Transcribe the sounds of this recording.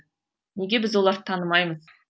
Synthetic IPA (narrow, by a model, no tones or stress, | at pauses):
neɡʲe̞bɪzwo̞lˠɑɾt̪ʰɑnəmɑjməz